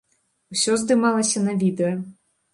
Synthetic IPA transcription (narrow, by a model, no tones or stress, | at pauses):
wsʲɔzd̪ɨmalˠɐsʲɐnɐvʲid̪ɛjɐ